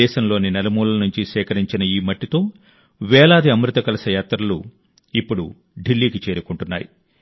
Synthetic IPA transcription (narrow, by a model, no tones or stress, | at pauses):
ɛːʃɐmlo̞ːninɛlɐmuːlɐnuɲt͡ʃisɛːkɐɾiɲt͡ʃinɐiːmɐʈːit̪o̞ː | ʋɛːlaːd̪iɐmɾut̪ɐkɐlɐsɐjaːt̪ɾɐlu | ipːuɽu | ɖilːiːkit͡ʃeːɾukuɳʈunːa̰ːjḭ